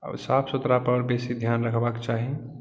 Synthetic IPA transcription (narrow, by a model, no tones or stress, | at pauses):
a̰sapʰsut̪ɾapəɾbesid̪ʱjanɾəkʰbakt͡ʃaɦi